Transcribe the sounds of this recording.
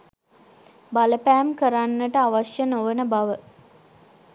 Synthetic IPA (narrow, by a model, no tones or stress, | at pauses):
baləpæːmkəɾanːəʈəaʋaʃjənoʋənəbaʋə